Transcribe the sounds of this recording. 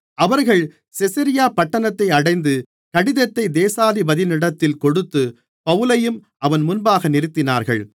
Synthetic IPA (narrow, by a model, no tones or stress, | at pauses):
ʔɐʋɐɾɣɐɭ | sɪsɐɾɪjaːpɐʈːɐnɐt̪ːɐɪɐɽɐɪnd̪ɯ | kɐɽɪðɐt̪ːɐɪd̪eːsaːðibɐðɪnɪɽɐt̪ːɪlkɔɽɯt̪ːɯ | pɐʋɯlɐjɯm | ʔɐʋɐnmʊnbaːɣɐnɪɾɯt̪ːɪna̰ːɾɣɐ̰ɭ